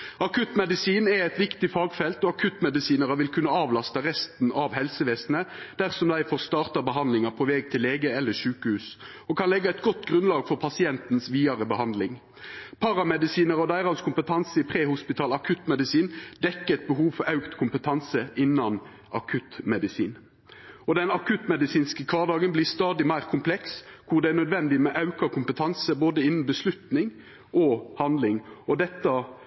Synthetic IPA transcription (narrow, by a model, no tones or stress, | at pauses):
ɑkʰʉt̪mɛd̪ɪsiːnɛɛɪt̪ʋɪkt̪ɪfɑːɡfɛlt̪ɔɑkʰʉt̪ːmɛd̪ɪsiːnəʁəʋɪlkʰʉnəɑːʋlɑst̪əʁɛst̪n̩ɑʋhɛlsəʋeːsnəd̪̥æʁsɔmd̪æɪfɔʁst̪ɑːʁt̪ɑʁbəɦɑnd̪lɪŋɑpʰoʋɛɡ̚t̪ʰɪlːeːɡəɛlːəʃʉːkəhʉːs | ɔkʰɑnlɛɡːəɛɪt̪̚ɡɔt̪ːɡʁʉnlɑːɡfɔʁpʰɑsɪɛnt̪n̩sʋiːɑʁəbəhɑnd̪lɪŋ | pʰɑɾɑmɛd̪ɪsiːnəʁɔd̪æɪʁɑnskʰʊmpət̪ʰɑnsəɪpʰʁeːhʊspɪt̪ʰɑːlɑkʰʉt̪mɛd̪ɪsiːnd̪ɛkːəɛt̪̚bəɦuːʋfɔɾɑʉkt̪kʰʊmpət̪ʰɑnsəʔɪnːɑn | ʔɑkʰʉt̪mɛd̪ɪsḭːn | ɔd̪ɛnɑkʰʉt̪mɛd̪ɪsiːnskəkʰʋɑːʁd̪ɑːɡənbliːʁst̪ɑːd̪ɪmæɪʁkʰʊmpʰlɛkskʰʊʁd̪ɛæʁnœd̪ʋɛnd̪ɪmɛʔɑʉkɑkʰʊmpət̪ʰɑnsəboːd̪əɪnn̩bəslʉt̪nɪŋ | ʔɔhɑnd̪lɪŋɔd̪ɛt̪ːɑ